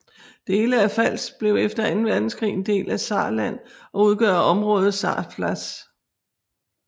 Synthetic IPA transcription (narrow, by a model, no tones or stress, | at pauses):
d̥e̝ːləæfæl̰sb̥le̝ʊefd̥ɐænn̩ʋæɐd̥n̩sɡkʰʁḭːnd̥e̝̰ːlʔæsɑ̰̈ːlæn̰ɒ̽uð̞ˠɡ̥ɶɐɒ̽mʁɔ̽ːð̞̩ˠsɑ̰̈ːflæs